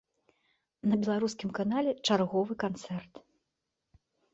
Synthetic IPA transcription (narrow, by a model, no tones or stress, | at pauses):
nɐbʲɛlˠaɾuskʲimkanalʲɛt͡ʂarɣɔvɨkant̪sɛrt̪